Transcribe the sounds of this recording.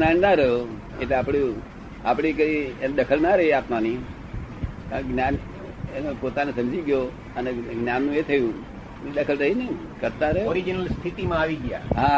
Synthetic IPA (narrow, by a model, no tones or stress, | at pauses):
nannaɾəɦjo | et̪eapɽ̃iu | apɽ̃ikəiend̪əkʰəlnaɾəɦiat̪mani | kãɡnjan | enopot̪anesəmd͡ʒiɡjo | əneɡnjanːũet̪ʰəjũ | ned̪əkʰəlɾəɦinəi | kəɾt̪aɾəɦjoɾid͡ʒnəlst̪ʰiʈimãaʋiɡja̰ɦã